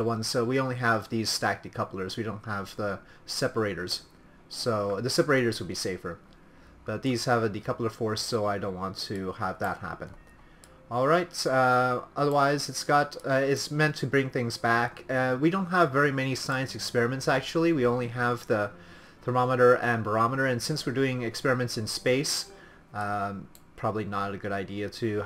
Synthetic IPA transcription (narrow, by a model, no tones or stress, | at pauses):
əwʌ̃n̥soʊwiõʊ̃nliəvðiz̥stæk̚d̥ikʰʌpl̩ˠə˞zwiɾõʊ̃nt̚həvðə | sɛpə˞eɪɾə˞z̥ | soʊðɨsɛpə˞eɪɾə˞zwəd̚biseɪfə˞ | b̥ʌt̪̚ðiz̥ɨvɨdikʰʌpl̩ˠə˞fɔɹsoʊaɪɾdõʊ̃nʔwɑ̃ntʰɨəvðət̚hæ̰pɨ̃n̥ | ɔlˠɹaɪt | ʌðə˞waɪzɨtsɡ̥ɑɾɪtsmɛ̃ntʰɨbɹɪ̃ŋθɪ̃ŋzbækwidõʊ̃nt̚ɦəvːɛɹimɛñisaɪɨ̃nsɨkspɛɹɨmɨ̃ntsæk̚t͡ʃul̩ˠiwiõʊ̃nliəvðɨ | θə˞mɑməɾə˞ʔɨ̃nbə˞ɑməɾə˞ɨ̃nsɪ̃nswɨɹdʉɪ̃ŋɨkspɛɹɨmɨ̃ntsɨ̃nspeɪs | pʰɹ̥ɑbəblinəɾɨɡʊɾaɪdiɨɾɨ